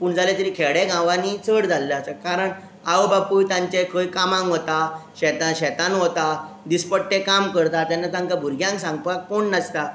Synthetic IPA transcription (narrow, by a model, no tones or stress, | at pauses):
puːɳd͡zʱalet̪əɾikʰeɽeɡãʋãnit͡səɽd͡zʱalːat͡səkaɾəɳ | aʋəbapujt̪jãɲt͡ɕekʰəjkamãŋɡɦot̪aɕɛt̪aɕɛt̪anɦot̪a | d̪ispəʈːekamkəɾt̪at̪janːat̪ãŋkabʱuɾɡjãŋksãŋɡpakoɳnəst̪a